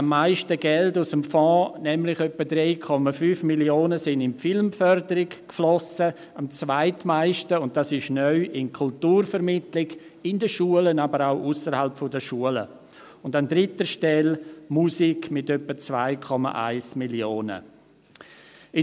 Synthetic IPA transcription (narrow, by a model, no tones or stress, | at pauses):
amːaɪʃtəɡɛldʊsəmfɔ̃ːnɛmlɪxœpːədɾɛɪkʰɔmafyːfmiljoːnəsɪndɪnfɪlmfœɾdəɾɪɡkflɔsə | amt͡svaɪtmaɪʃtəʊnt̚d̥asɪʃnœʏʔɪnkʰʊltuːɾfəɾmɪtlɪɡ | ɪndəʃuələnabəɾaʊʔusəɾhalpfɔdəʃuələ̰ | ʊndandɾɪtəʃtɛlmusikmɪtœpːət͡sva̰ɪkʰɔma̰ʔa̰ɪsmiljoːnə̰ | ɪ